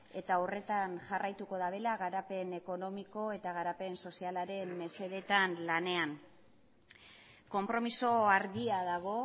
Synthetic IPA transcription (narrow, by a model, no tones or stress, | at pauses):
e̞t̪aore̞t̪anʝarʔajt̪uko̞ðaβe̞laɣaɾape̞ne̞ko̞no̞miko̞e̞t̪aɣaɾape̞nso̞sialaɾe̞mːe̞se̞ðe̞t̪anlane̞aŋ | ko̞mpɾo̞miso̞aɾɣiaðaɣ̞o̞